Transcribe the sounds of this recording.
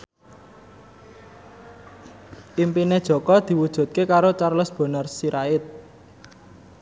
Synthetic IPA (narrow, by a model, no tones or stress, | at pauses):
ʔimpined̥ʒ̥ɔ̤kɔd̪̥i̤wud̥ʒ̥ṳt̪̚kekaɾot͡ʃarləsb̥ɔ̤nərsiɾaɪt̪̚